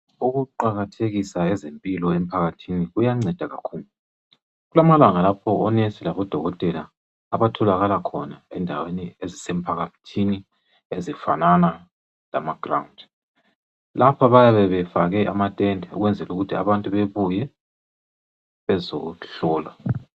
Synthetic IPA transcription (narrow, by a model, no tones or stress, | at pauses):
uɣuǃaɣatʰeɣisaɛzempʼilɔem̩pʰaɣatʰiniɣujaŋ͡ǀɛd̥ʱaɣakʰuːlu | ɣulamalaŋalapʰɔɔnesilaβɔd̥ʱɔɣɔtʼɛlaː | βatʰɔlaɣalakʰɔnaɛndʱaweniezisɛm̩pʰaɣatʰini | ezifa̰nana | la̰maɡ̥ra̰und | lapʰaβajaβɛβɛfaɣɛʔamatʼɛndʱɛṵɣwɛnd͡zʱɛluɣutʰia̰βantʼuβeβujɛ | βɛzoɬɔːla